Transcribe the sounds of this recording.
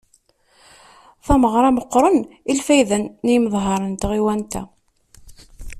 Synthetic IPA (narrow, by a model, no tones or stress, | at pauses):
θæməʁɾˤɑməqːɾˤənilfæjðənːiməðˤɦɑɾˤənt̪ʁiwænt̪æ̰